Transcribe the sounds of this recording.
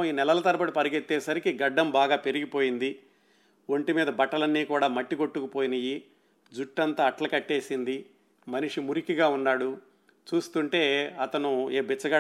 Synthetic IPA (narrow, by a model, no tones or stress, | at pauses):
iːnɛlɐlɐt̪ɐɾɐpɐʈipɐɾiɡet̪ːeːsɐɾikiɡɐɖːɐmbaːɡaːpe̞ɾiɡipo̞ːjind̪i | woɳʈimiːd̪ɐbɐʈːɐlɐnːiːkuːɽaːmɐʈːiko̞ʈːukupoːjinɐji | d͡ʒuʈːɐnt̪aːʈlɐkɐʈːeːsind̪i | mɐniʂimuɾikiɡaːunːaːɽu | t͡ʃuːst̪uɳʈe̞ːɐt̪ɐnueːbit͡ʃːɐɡɐ